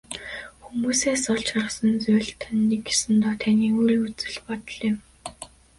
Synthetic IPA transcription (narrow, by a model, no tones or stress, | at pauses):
xumuːseːsɔɮt͡ɕχɔrə̆χsə̆nt͡sʊːɮt̪ʰœnːiːkːe̥sɘ̆nt̪ɔːt̪ʰæniːŋuiut͡sɘ̆ɮpɔt̪ɞ̆ɮɪ̆m